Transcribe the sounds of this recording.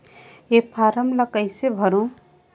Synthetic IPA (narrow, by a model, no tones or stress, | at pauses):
epʰaːɾəmləkəɪsebʱəɾõ